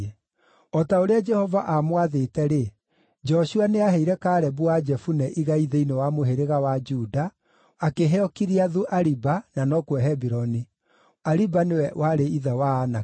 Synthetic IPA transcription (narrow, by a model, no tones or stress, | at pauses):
ɔtaoɾead͡ʒɛhɔvaʔamwaðetɛɾe | d͡ʒɔɕuaneaɦɛiɾɛkaːɾɛbuad͡ʒɛfunɛʔiɣaiðeinewamoɦeɾeɣawad͡ʒudaː | keɦɛɔkiɾiaðuʔaɾibananɔkwɛɦɛbiɾɔni | aɾibanewɛwaɾeiðawaːna